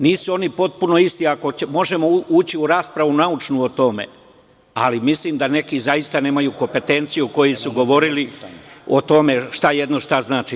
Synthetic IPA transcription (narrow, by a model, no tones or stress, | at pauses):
niːsuo̞nipo̞t̪̚puno̞ist̪iako̞emo̞ʒe̞mo̞uːt͡ɕiuɾaːspɾaʋunaut͡ʃnuːot̪o̞me̞̰ | a̰limisliːmd̪ane̞kizajist̪ane̞ːmajuko̞mpe̞t̪e̞nt̪sijuko̞jesuɡo̞ʋo̞ɾilio̞t̪o̞me̞ʃt̪ajed̪no̞ʃt̪aznaːt͡ʃi